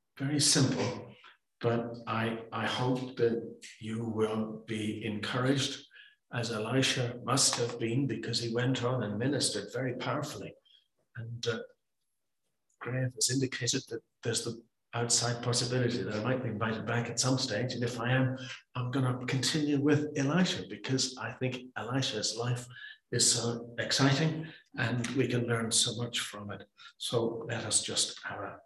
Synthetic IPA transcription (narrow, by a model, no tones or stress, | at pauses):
vɛɹisɪ̃mpʰl̩ˠ | b̥ʌɾʔaɪʔaɪhoʊp̚ðɨt͡ʃɨwɪlˠb̥iɨ̃nkʰɜ˞ɪd͡ʒd | ʔɨzəlaɪʃɨmʌst̚hɨvbĩnbɨkʰʌz̥iwɛ̃ntʰn̩ə̃n̩mɪ̃nɨstə˞dvɛɹipʰaʊə˞fl̩ˠi | ɨ̃n | ɡ̥ɹeɪvʌzɪ̃ndɨkʰeɪɾɨd̪̚ðɨt̪̚ðə˞zði | ʔaʊtsaɪd̚pʰɑsɨbɪlˠɨɾiðɨɾaɪmaɪt̚b̥iɨ̃ɱvaɪɾɨd̚bækɨtsʌ̃msteɪd͡ʒɨ̃nɨfaɪɨ̃mãɪ̃mɡʌnəkʰɨ̃ntʰɪ̃njʉwɪðɪlaɪʃɨbɨkʰʌzaɪθɪ̃ŋkɪlaɪʃɨzlaɪfɨz̥soʊɨksaɪɾɪ̃ŋɨ̃nwikʰɨ̃nlɜ̃˞nsoʊmʌt͡ʃfɹʌ̃mɪt̚soʊlɛɾʌsd̥ʒ̥ʌstʔaʊə˞